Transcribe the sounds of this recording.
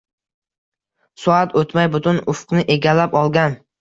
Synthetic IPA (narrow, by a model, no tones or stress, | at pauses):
sʊat̪ʰot̪majbʊt̪ʰʊnʊfqnɪʔe̞ɡʲalːapɒlˠɡʲan